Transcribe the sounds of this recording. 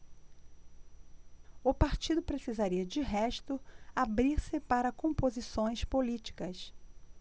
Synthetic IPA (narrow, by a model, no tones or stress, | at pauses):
ʊpaɾt͡ʃid̪ʊpɾesizaɾiɐd͡ʒɪɦɛʃt̪ʊabɾiɾsɪpaɾɐkõmpozisõj̃spolit͡ʃi̥kɐs